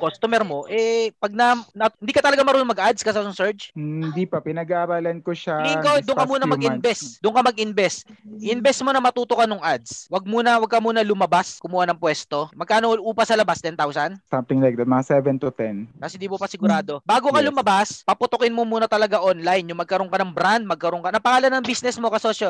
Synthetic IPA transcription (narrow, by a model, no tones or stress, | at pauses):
kost̪omɛɾmoʔɛpɐɡ̚nɐnɐhɪnd̪ikɐt̪ɐlɐɡamɐɾuːnʊŋmɐɡʔad̪̚skɐsanʊŋsɛɹt͡ʃhɪnd̪ipɐpɪnɐɡaʔɐɾaːlɐnkoʃaikod̪ʊŋkɐmuːnɐmɐɡɡɪnbɛsd̪ʊŋkɐmɐɡ̚ʔɪnbɛst̪ʔɪnbɛsmonɐmɐt̪uːt̪okɐnʊŋʔad̪swɐɡ̚muːnɐwɐɡ̚kɐmuːnɐlʊmɐbaskʊmuhanɐŋpwɛst̪o̞mɐɡ̚kaːnoʔuːpɐsɐlɐbast̪ɛnt̪awsɐnsɐmt̪ɪŋlajk̚d̪ɐt̪̚mɐŋasɛvɛnt̪ʊt̪ɛnkɐshɪnd̪iːmopɐsɪɡʊɾaːd̪o̞baːɡokɐlʊmɐbaspɐpʊt̪okɪnmomuːnɐt̪ɐlɐɡaʔonlajnjʊŋmɐɡ̚kɐɾoŋkɐnɐŋbɾand̪̚mɐɡ̚kɐɾoŋkɐnɐpɐhaːlɐnːɐŋbisnɛsmo̞kɐsosɐ